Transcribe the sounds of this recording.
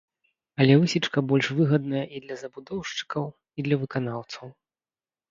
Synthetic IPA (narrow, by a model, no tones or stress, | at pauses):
ɐlʲɛvɨsʲit͡ʂkɐbɔlʲʂvɨɣɐd̪nɐjɐʔid̪lʲɐzɐbud̪ɔwʂt͡ʂɨ̥kɐw | id̪lʲɐvɨkanawt̪sɐw